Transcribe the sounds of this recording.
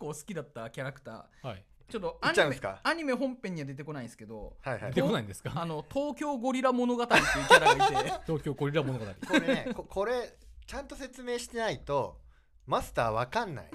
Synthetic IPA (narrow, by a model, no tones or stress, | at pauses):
kːo̞ːsɨ̥kʲid̪at̪ːakʲaɾakɯ̟̥t̪a̰ː | hi | t͡ɕo̞t̪ːoɲːaɯ̃ska̰aɲ̟ime̞ɦõ̞mpẽ̞ɲ̟ːiβad̪e̞t̪e̞ko̞naĩsɨ̥ke̞d̪o̞̰haiha̰det̪ekonaĩnd̪e̞sɨ̥kaano̞t̪ʰo̞ːkʲo̞ːɡo̞ɾʲiɾamo̞no̞ɡat̪aɾʲit̪ːeiːeɾaaiet̪o̞ːkʲo̞ːɡoɾʲiɾamooɡat̪aɾʲḭkoɾeekokʰo̞ɾe̞t͡ɕãnt̪o̞se̞t͡sɨme̞ːɕi̥t̪e̞nait̪o̞ | masɨ̥t̪aːβakãnːa̰ḭ